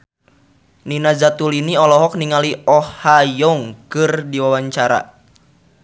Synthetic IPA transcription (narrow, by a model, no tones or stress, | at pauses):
ninazat̪uliniɔlɔɦɔk̚niŋaliɔhajɔŋkɨrdiwawaɲt͡ʃaɾa̰